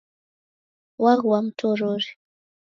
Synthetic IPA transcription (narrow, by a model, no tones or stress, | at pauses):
waɣwam̩tʰɔɾoɾi